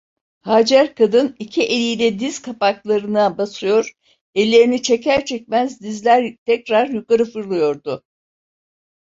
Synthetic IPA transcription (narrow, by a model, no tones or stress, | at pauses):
haːd͡ʒæɾkʰad̪ɯnicʰiʔelʲijlʲɛd̪iz̥kʰapaklˠaɾɯnabasɯjo̞ɾ̥ | elʲːe̞ɾinit͡ʃʰecʰæɾt͡ʃʰɛc̚ʲmæzd̪izlʲæɾt̪ʰɛcɾaɾjukaɾɯfɯɾlˠɯjo̞ɾd̪ʊ